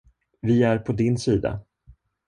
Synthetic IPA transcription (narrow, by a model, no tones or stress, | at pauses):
vɪæɾpʰɔd̪ɪnsiːd̪a̰